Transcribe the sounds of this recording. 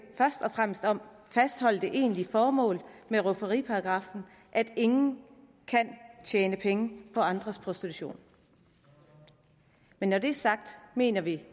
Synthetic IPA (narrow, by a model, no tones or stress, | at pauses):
fɶɐsd̥ɒ̽fʁam̰sd̥ɒ̽m̰fæsd̥hɒ̽l̰d̥eʔe̝̰ːnlifɒːmɔ̰̽ːlmeʁofɐʁḭːpʰɑ̈ɑɡ̥ʁɑ̈ːfn̩ | ʔæd̥e̝ŋn̩ | kʰænt͡ɕʰɛːnəpʰeŋəpʰɒ̽ɑ̈nd̥ʁɐspʰʁosd̥it͡sʰuɕo̝̰ːn | menːɒde̝æɐsɑ̈ɡ̥̚d̥me̝̰ːnɐʋi